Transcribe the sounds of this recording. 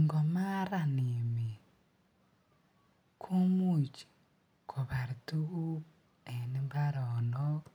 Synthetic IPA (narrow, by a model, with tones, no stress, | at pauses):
ŋɡo˨ma˦ɾa˨ni˨mi˨ | kʰu˦mu˦˨t͡ʃi̥˨ | kʰo˨βa˨ɾi˨tu˦ɣu˦ | e˨ni˦mba˦ɾono˦